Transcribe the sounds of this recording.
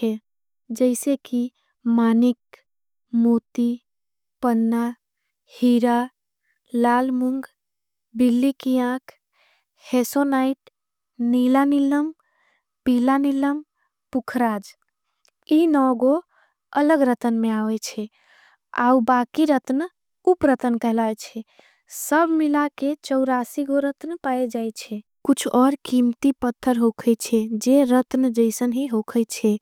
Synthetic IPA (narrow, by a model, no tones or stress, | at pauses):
ɛ | d͡ʒəɪseki | maːnik | mut̪i | pənːa | hiɾa | laːlmuŋɡ | bilːikiãkʰ | hesonaiʈ | nilaniləm | pilaniləm | pukʰɾaːd͡ʒ | inɔɡo | ələɡɾət̪ənmeaʋɛt͡ʃʰɛ | a̰ubakiɾət̪n | upɾət̪ənkəɦlajt͡ʃʰɛ | səbʱmilaket͡ʃəʊɾasiɡoɾət̪npaed͡ʒajt͡ʃʰɛ | kut͡ʃʰɔɾkimt̪ipət̪ʰːəɾɦokʰət͡ʃʰɛd͡ʒeɾət̪nd͡ʒəɪsənɦiɦokʰət͡ʃʰɛ